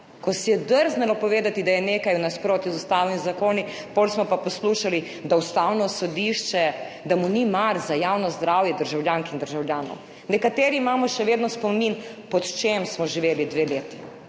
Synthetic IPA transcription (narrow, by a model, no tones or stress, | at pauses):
kɔsɛjɛd̪əɾznɛlɔpɔʋeːd̪at̪id̪ajɛneːkajwnaspɾoːt̪izust̪aːwnizakoːni | polsmɔpapɔsluːʃali | d̪aust̪awnɔsɔd̪iʃt͡ʃɛ | d̪amunimaɾzajawnɔzd̪ɾaːwjɛd̪əɾʒawljaːŋkind̪əɾʒawljaːnɔ̰w | nɛkat̪eːɾiːmaːmɔʃɛʋeːd̪nɔspɔminpɔt̪t͡ʃemsmɔʒiʋeːlid̪ʋeːleːt̪i̥